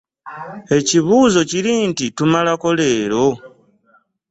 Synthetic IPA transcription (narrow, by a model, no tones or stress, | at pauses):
e̞ciβuːzo̞cilintitumalakoleːɾo